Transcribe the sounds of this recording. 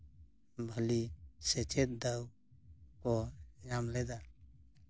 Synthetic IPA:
bʱəlisɛt͡ʃet̪̚d̪əw | kɔjamlɛd̪a

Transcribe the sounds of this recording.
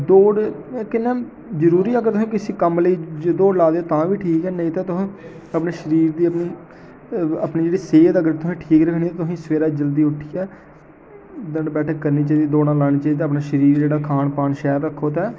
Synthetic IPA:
d̪oːɽkɪnːɛː | zəɾuːɾiːəɡəɾt̪ʊsĩːkɪsĩːkəmləiːd͡ʒd̪oːɖlaːd̪eːoːt̪ãːʋiːʈʰiːkɛːnəĩːt̪ãːt̪ʊsĩː | əpneːʃəɾiːɾd̪iːəpniː | əpniːd͡ʒeːɽiːseːd̪əɡəɾt̪ʊsĩːʈʰiːkɾəkʰniːt̪ãːt̪ʊsĩːsʋeːɾaːd͡ʒəld̪iːʊʈʰijɛː | d̪əɳbɛːʈʰəkəɾniːt͡ʃaːiːd̪id̪oːɽãːlaːñiːt͡ʃait̪̬eːəpnaːʃəɾiːɾd͡ʒeːɽaːkʰaːnpaːnʃɛːɾːəkʰːoːt̪ɛː

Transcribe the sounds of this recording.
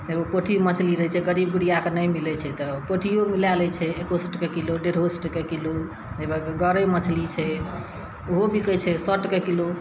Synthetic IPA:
d͡ʒebopəʈʰimət͡ʃʰliɾəɛt͡ʃʰɛɡəɾib̚ɡuɽijakenəjmilɛt͡ʃʰɛt̪ɔpəʈʰijomilalɛt͡ʃʰɛekosʈkekiloɖeɾɦosʈkekilo | d͡ʒebəkɡəɾɛmət͡ʃʰlit͡ʃʰɛ | oɦobʱikət͡ʃʰɛsəʈkekilo

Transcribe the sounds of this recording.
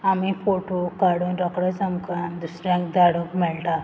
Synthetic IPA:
amifoʈokaɽunɾəkɽəd͡zəmkand̪usɾjãŋkd̪aɽukmɛɭʈã

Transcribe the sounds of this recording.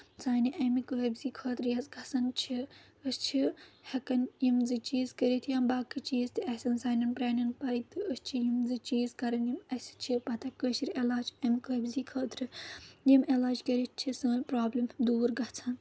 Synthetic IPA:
t͡saːniʔɐmikɨɦɐbʲziːkʰəːt̪ɾjɐsɡɐsɐnt͡ʃʰi | əst͡ʃʰihɐkɐnjimzɨt͡ʃiːzkɐɾit̪ʰjɐːmbaːkːɨt͡ʃiːzt̪iɐsɐnsaːnɐnpɾaːnɐnpɐit̪ɨəst͡ʃʰijimzɨt͡ʃiːzkɐɾɐnjimɐsʲi̥t͡ʃʰipɐt̪ɐkəʃiɾelaːd͡ʒɐmikɨɐbʲziːkʰəːt̪ɾɨjimelaːd͡ʒkɐɾit̪̚ʰt͡ʃʰisəːnʲpɾaːblʲɐmd̪uːɾɡɐt͡sʰɐn

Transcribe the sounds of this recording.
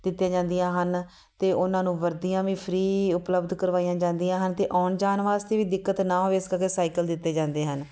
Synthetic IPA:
d̪ɪt̪ːjãːd͡ʒãːnd̪ijãːɦən | t̪eːʔʊnãːnũːʋəɾd̪ijãːʋĩːpʰɾiːʊpləbd̪kəɾʋaːijãːd͡ʒãːnd̪ijãːɦənt̪eːʔɔːnd͡ʒaːnʋaːst̪eːʋiːd̪ɪkːət̪nãːɦoːeɪskəɾkeːsaːikəld̪ɪt̪ːeːd͡ʒãːnd̪eːɦən

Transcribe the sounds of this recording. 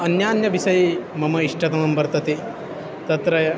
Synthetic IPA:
ɐnjaːnjɐʋisɐjmɐmɐiʂʈɐt̪ɐmɐmbɐɾt̪ɐt̪i | t̪ɐt̪ɾɐjɐ

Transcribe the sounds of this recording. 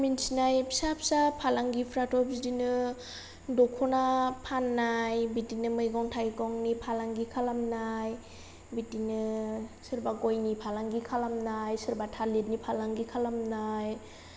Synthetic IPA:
minsinajpʰisap̚sapʰalaŋɡipʰɾatʰɔp̚zidinɯ | dɔkʰɔnapʰanːajbitinɯmɯjɡɔŋtʰajɡɔŋnipʰalaŋɡikʰalamnaj | bitinɯsɯɾbaɡɔjnipʰalaŋɡikʰalamnajsɯɾbatʰalit̚nipʰalaŋɡikʰalamnaj

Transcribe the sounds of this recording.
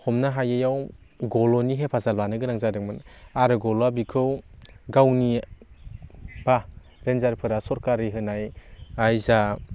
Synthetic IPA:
hɔmnaɦajajaw | ɡɔlɔniɦepʰazalwanɯɡɯɾaŋzadɯŋmɯnaɾɯɡɔlabikʰɯwɡawni | b̥a | ɾenzaɾpʰɯɾasɔɾkaɾiɦɯnajajza

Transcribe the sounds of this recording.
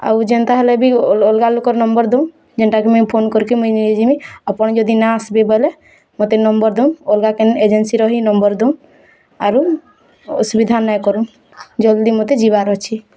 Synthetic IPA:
a̰wd͡ʒent̪aɦɛlebilolɡalokɔɾnɔmbɔɾd̪ewn | d͡ʒeɳʈakemɔjpʰonkɔɾkimɔjnid͡ʒimiɔpɔɳd͡ʒɔd̪inaasbebɔle | mot̪enɔmbɔɾd̪ewnolɡakened͡ʒensiɾɔɦinɔmbɔɾd̪en | aɾu | subid̪ʱanːajkɔɾun | d͡ʒɔld̪imot̪ed͡ʒiβaɾɔt͡ʃʰi

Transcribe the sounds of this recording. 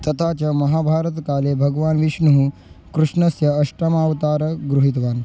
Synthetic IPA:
t̪ɐt̪ʰat͡ɕɐmɐɦaːbʱaːɾət̪kaːlebʱɐɡʋaːnʋiʃɳuɦu | kɾuʂɳɐsjɐːʂʈɾɐmaːʋt̪aːɾəɡɾuɦit̪ʋaːn

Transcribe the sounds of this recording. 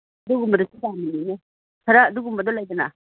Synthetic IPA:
ɐduɡumbɐdɔsutaminine | sʰaɾaːduɡumbɐdɔlajdɐna

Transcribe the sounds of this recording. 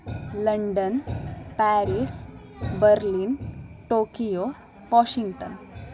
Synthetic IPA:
ləɳɖənpæɾiːs | bəɾliːnʈoːkijo | ʋɔɕiŋɡʈə̰n

